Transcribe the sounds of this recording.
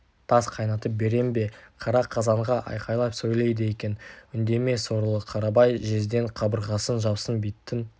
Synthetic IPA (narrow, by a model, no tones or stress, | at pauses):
t̪ʰɑsqʰɑjnɑt̪əp̚be̞ɾe̞mbe̞qʰɑɾɑqʰɑzɑɴʁɑʔɑ̰jqʰɑjlˠɑpsojlˠejd̪eje̞kʲe̞nʏnd̪e̞me̞so̞ɾəlˠəqʰɑɾɑbɑjʒe̞zd̪e̞ɴqʰɑbəɾʁɑsənʒɑbsənbit̪ːɪn